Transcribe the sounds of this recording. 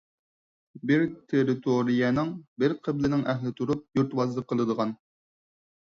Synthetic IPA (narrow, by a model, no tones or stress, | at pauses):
bɪɾt̪ʰeɾɪt̪ʰoɾijɛnɪŋbɪɾqʰəblɪnɪŋʔɛɦlɪt̪ʰuɾup̚juɾt̪wɑzlˠəqʰːəlˠɨd̪əʁɑn